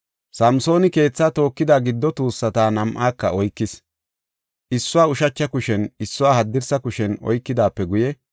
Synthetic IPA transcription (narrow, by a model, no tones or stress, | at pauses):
sɐmso̞ːnɪke̞ːt͡sːaːt̪o̞ːkːɪd̪aːɡɪd̪ːɔt̪uːsːɐt̪aːnɐmʔaːkːɐɔjkːɪs | ʔɪsːʊwaːʊʃɐt͡ʃːɐkʊʃɛnɪsːʊwaːhɐd̪ːɪɾsɐkʊʃɛnɔ̰jkːɪd̪aːpːɛɡʊjɛ